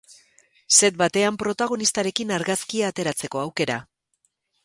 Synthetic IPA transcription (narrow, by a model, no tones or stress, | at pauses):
se̞t̪̚bat̪e̞ampɾo̞t̪aɣ̞o̞nist̪aɾe̞kinaɾɣaskiaːt̪e̞ɾat͡se̞ko̞awke̞ɾa